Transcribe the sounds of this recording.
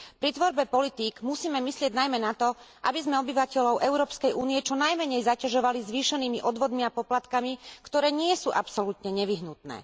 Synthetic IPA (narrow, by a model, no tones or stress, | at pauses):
pɾit̪ʋɔɾbɛpɔlit̪iːɡmusiːmɛmislɪɛɟnajmɛnat̪ɔ | ʔabizmɛɔbiʋacɛʎɔʊʔɛʊɾɔːpskɛjʔuːniɛt͡ʃɔnajmɛɲɛjzacaʒɔʋalizʋiːʃɛniːmiʔɔd̪ʋɔd̪miapɔplat̪kamikt̪ɔɾɛːɲɪɛsuːʔapsɔlut̪ɲɛɲɛʋiɦnut̪nɛ̰ː